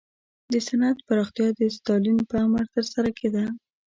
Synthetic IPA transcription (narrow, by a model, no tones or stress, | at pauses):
d̪əsanat̪paɾɑxt̪ijɑd̪əst̪ɑlinpəamaɾt̪əɾsaɾakʰed̪a